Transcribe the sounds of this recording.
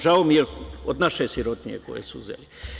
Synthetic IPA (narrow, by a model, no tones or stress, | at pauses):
ʒaomieod̪naʃesjiɾot̪nijḛko̰jḛsuṵzḛli